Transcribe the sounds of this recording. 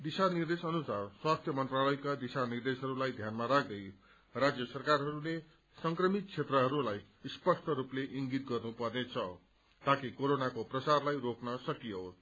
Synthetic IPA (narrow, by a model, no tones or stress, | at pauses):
d̪isanird̪esʌnusarswast̪ʰjʌmʌnt̪ralʌjkad̪isanird̪esɦʌɾulajd̪ʱjanmaɾak̚ʰd̪ʌj | rad͡zjʌsʌrkarɦʌɾule | sʌŋkrʌmit̪̚t͡sʰet̪rʌɦʌɾulaj | spʌsʈʰʌɾupleʔiŋɡit̪̚ɡʌrnupʌrnet͡sʰʌ | t̪akikoɾonakoprʌsarlajroknʌsʌkijo